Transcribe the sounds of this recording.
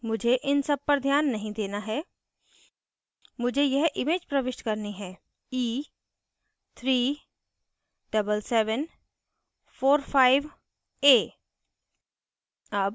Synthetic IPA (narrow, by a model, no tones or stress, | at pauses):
mʊd͡ʒʱeʔɪnsɐb̚pɐɾd̪ʱjaːnːɐɦĩd̪eːnaɦɛː | mʊd͡ʒʱejɛɦʔɪmeːd͡ʒpɾɐʋɪʃʈkɐɾneɦɛ̃ː | iː | t̪ʰɾiː | ɖ̥ɐbəlsɛːʋən | fʰoːɾfʰaːɪʋ | eː | ɐb